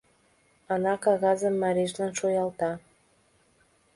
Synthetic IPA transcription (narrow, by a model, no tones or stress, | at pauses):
ɑnɑkɑɣɑzəmːɑɾeʃlɑnʃojɑlˠt̪ɑ